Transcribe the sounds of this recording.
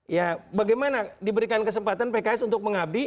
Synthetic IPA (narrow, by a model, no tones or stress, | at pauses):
jabaɡajmanadibəɾikankəs̬əmpat̪anpekaɛsunt̪ʊk̚məŋab̚di